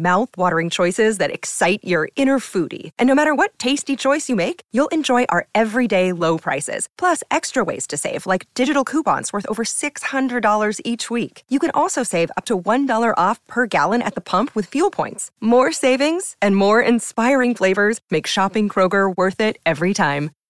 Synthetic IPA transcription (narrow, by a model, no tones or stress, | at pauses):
maʊθwɔɾə˞ɪ̃ŋt͡ʃʰɔɪsɪzðɨɾɨ̰ksaɪt͡ʃə˞ɪ̃ɾ̃ə˞fuɾḭʔɨ̃nːoʊmæɾə˞wʌtʰeɪstit͡ʃʰɔɪsjɨmeɪkjulˠʔɨ̃nd͡ʒɔɪʔaə˞ɛvɹideɪloʊpʰɹ̥a̰ɪsɪ̰z̥pʰl̥ʌsɛkstɹ̥əwḛɪz̥tʰɨseɪvlaɪk̚d̥ɪd͡ʒɨɾl̩ˠkʰupɑ̰̃nswɜ˞θoʊvə˞sɪkshʌ̃ndɹɨdɔlˠə˞zit͡ʃwikjɨkɨ̃ñʔɔlˠsoʊseɪvʌ̰p̚tʰəwʌ̃ndɔlˠə˞ʔɔfpʰə˞ɡælˠə̃ñɨ̰t̪̚ðəpʰʌ̃mpʰwɨð̥fjulˠpʰɔ̰̃ɪ̃ntsmɔɹseɪvɪ̃ŋz̥ɨ̃nmɔɹɪ̃nspaɪɹɪ̃ŋfleɪvə˞zmeɪkʃɑpɪ̃ŋkʰɹ̥oʊɡə˞wɜ˞θɪɾɛvɹitʰãɪ̃m